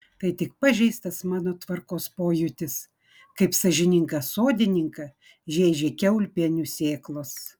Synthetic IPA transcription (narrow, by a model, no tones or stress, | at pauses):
t̪ɐɪt̪ʲɪk̚pɐʒʲɛɪst̪ɐsmɑːnoːt̪ʋɐɾkoːspoːjʊt̪ʲɪs | kɐɪpsɐʒʲɪnʲɪŋkɐsoːd̪ʲɪnʲɪŋkɐ | ʒʲeːʒʲeːkʲɛʊlʲpʲeɛnʲusʲeːklˠos